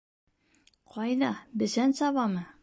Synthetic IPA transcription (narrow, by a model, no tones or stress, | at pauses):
qʰɒjd̪ɑbɘ̆sænsɑβɑmɤ